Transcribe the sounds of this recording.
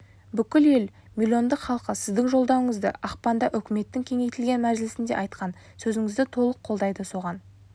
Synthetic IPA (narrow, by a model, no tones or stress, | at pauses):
bʏkʲɪle̞l | mʲilʲio̞nd̪əqχɑlˠqəsɪzd̪ɪŋʒo̞lˠd̪ɑwəɴəzd̪ə̰ʔɑqpɑnd̪ɑʔʏkʲɪme̞t̪ːɪŋkʲʰe̞ŋe̞jt̪ɪlɡʲe̞nmæzlɪsɪnd̪e̞ʔɑjt̪qɑn | sɵzɪŋɪzd̪ɪt̪ʰo̞lˠəqʰːo̞lˠd̪ɑjd̪əso̞ʁɑn